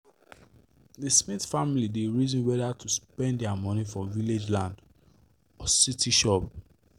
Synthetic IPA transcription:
dəsmiθfamilideɹizɔ̃nwɛdatʰuspɛ̃nddɛamɔnifɔviled͡ʒlãnd | ɔsitiʃɔp̚

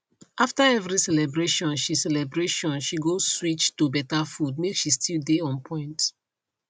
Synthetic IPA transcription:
ʔaftaɛvɹisɛlɛbɹeʃɔ̃nʃisɛlɛbɹeʃɔ̃nʃiɡozswit͡ʃtubɛtafud̚mekʃistʰildeɔ̃npʰɔ̃ɪ̃nt

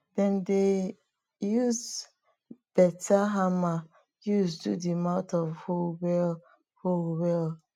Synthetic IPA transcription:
d̥ɛ̃nde | juz | b̥ɛtʰaɦama | juzdudimãʊtɔvholwɛl | holwɛl

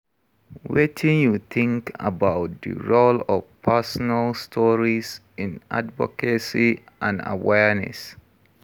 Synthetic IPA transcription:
wetʰĩnjutʰĩŋka̰baʊt̚də̰ɹolɔvpʰɛsɔnalstʰɔɹis | ɪ̃nʔa̰dvɔ̰kəsi | ʔãna̰wɛɹnɛ̰s

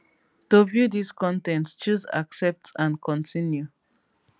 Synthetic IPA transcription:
tovjudiskʰɔ̃ntɛ̃ntst͡ʃuza̰ksɛp̚tãnkʰɔ̃ntĩnju

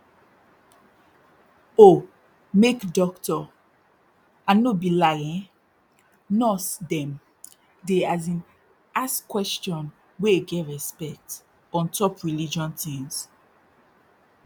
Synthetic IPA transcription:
o | mekdɔktɔ | ãnobilajɛ̃ | nɔsdɛ̃m | deazĩn | askwɛst͡ʃjɔ̃n | weeɡɛɹɛspɛk̚t | ɔ̃ntʰɔpɹilid͡ʒɔ̃ntĩŋs

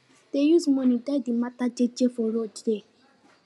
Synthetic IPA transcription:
teɾusmɔ̃nĩdadimatad͡ʒed͡ʒefɔɾod͡ʒde

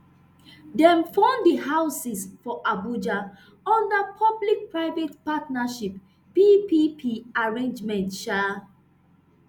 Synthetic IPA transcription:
dɛ̃mfɔ̃ndiɦaʊsisfɔʔabud͡ʒa | ɔ̃ndəpʰɔblik̚pɹaɪvetpatnaʃip | pipipʰiaɹẽnd͡ʒmɛ̃ntʃa

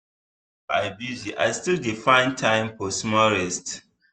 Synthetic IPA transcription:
baɪbuziʔa̰ɪstildifãɪ̃ntʰãɪ̃mpɔsmɔɹɛst

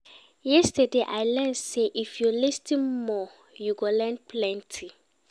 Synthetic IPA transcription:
jɛstədeʔajlɛnseʔifjulistĩmɔ | juɡolɛnpʰlɛ̃ntʰi

